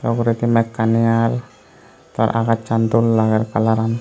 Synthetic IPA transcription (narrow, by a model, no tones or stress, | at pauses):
tɔkuɾit̪imɛkːanial | t̪aɾʔa̰kat͡ʃant̪ulːaɡarkalaɾan